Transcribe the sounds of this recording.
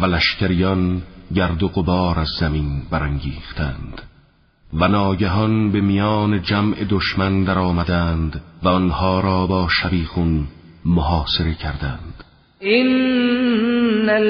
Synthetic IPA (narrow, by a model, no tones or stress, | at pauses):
vælæʃcʰæɾijɒnɟæɾd̪oɣobɒːɾæzːæminbæɾæŋɟiːχt̪ʰænd̪̥ | vænɒːɟæɦɒnbe̞mijɒːne̞d͡ʒæmʔe̞d̪oʃmænd̪æɾɒːmæd̪ænd̪væɔnhɒːɾɒːbɒːʃæviːɣun | moɦɒːse̞ɾe̞cʰæɾd̪ænd̪̥ | ʔin